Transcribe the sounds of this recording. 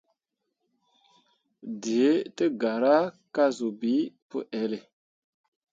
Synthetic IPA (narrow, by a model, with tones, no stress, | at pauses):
di˨e˦tə˦ɡa˨ɾa˦ | ka˦zu˨bi˨˦pə̰˦ʔɛ˨le˨